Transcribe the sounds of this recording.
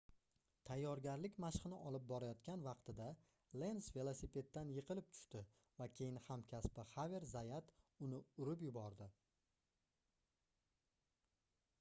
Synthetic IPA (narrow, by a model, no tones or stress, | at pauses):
t̪ʰajːɒɾɡʲaɾlɪkʲmaʃqɨnɪʔɒlˠɪp̚bɒɾajɒt̪kʲanvɑqt̪ʰɪd̪a | le̞nsve̞lˠosipʰe̞d̪t̪̚ːanjɨqʰɨlɪp̚t̪ʰʊ̥ʃt̪ɪ | vakʲʰe̞jɪnhamkʲʰaspɪhaveɾzajat̪ʊnɪʊɾɪpjʊbɒɾd̪ɪ